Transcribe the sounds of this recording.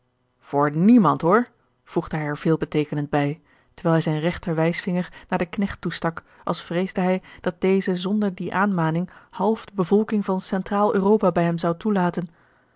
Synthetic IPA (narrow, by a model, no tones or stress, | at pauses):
v̥ʊːɹnimɑntɦoːɹ | v̥uχdəɦɛjɛɹv̥ɪːlˠbətejkənəndbɛj | təɹʋɛːlˠɦɛjzɛjnrɛχtəɹʋɛjsfɪŋəɹnaːɹdəknɛχtːustɑk | ʔɑ̰lˠsfrejzdəɦɛjd̥ɑt̚d̥ejzəzɔndəɹdiʔaːnmaːnɪŋhɑlˠvdəbəvɔlˠkɪŋvɑnsɛntraːlˠøːrowpaːbɛjɦɛmzɑwtulaːtən